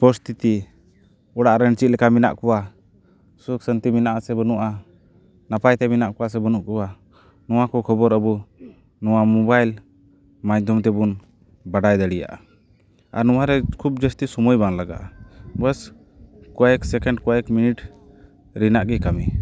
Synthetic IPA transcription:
pɔst̪it̪i | ɔɽaʔɾəɳt͡ʃit̪̚lɛkamina̰ʔkɔwa | suk̚sənt̪iminaʔasɛbənuʔa | napajt̪ɛminaʔkɔwas̬ɛbənuʔkuwa | nɔwakɔkʰɔbɔɾəbu | nɔwamɔbajl | majd̪ʱɔmt̪ɛbun | baɖajd̪əɽija̰ʔa̰ | a̰ɾnɔwaɾɛkʰub̚d͡ʒəst̪isɔmɔjbaŋlaɡa̰ʔabəs | kɔɛksɛkɛɳɖkɔɛkminiʈ | ɾinaʔɡɛkami

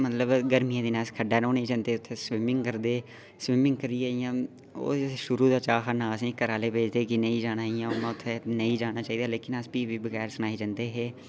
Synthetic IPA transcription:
mət̪ləbɡəɾmijãːd̪iːnãːskʰəɖaːnõːnẽĩːd͡ʒãnd̪eːʊt̪ʰːeːsʋɪmɪ̃ŋɡkəɾd̪eː | sʋɪmɪ̃ŋɡkəɾiːaːijãː | o̰ːʃʊɾuːd̪aːt͡ʃaːɦanaːəsĩːkəɾaːleːpeːd͡ʒd̪eːkɪnəĩːd͡ʒaːɽaːijãːoːmãːʊt̪ʰːeːnəĩːd͡ʒaːɽ̃aːt͡ʃaːiːd̪aːleːkɪnəsbiːbiːbəɡɛːɾsəñaːid͡ʒənd̪eːɦeː

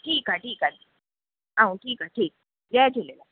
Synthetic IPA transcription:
ʈʰiːkɦaʈiːkad̪i | ɦaũʈʰiːkaʈʰiːk̚ | d͡ʑɛd͡ʑelela

